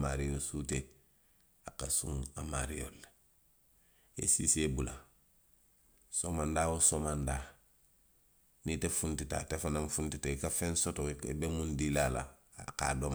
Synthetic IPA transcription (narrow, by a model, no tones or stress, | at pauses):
maɾijosute | akasṵ̃ŋamaɾijo̰lːe̥ | ḛsḭsebula | somandawosomanda | nitefuntita̰tefanamfuntiteikafensotoebemundilala̰ | ka̰dom